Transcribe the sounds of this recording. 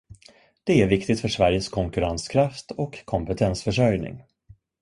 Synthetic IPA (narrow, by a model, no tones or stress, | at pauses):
d̪̥ɛæɾvɪkt̪ɪt̪fœʂvæɾjəskʰɔŋkɵɾanskʰɾaft̪ɔkʰːɔmpɛt̪ʰɛnsfœʂœjnɪ̰ŋ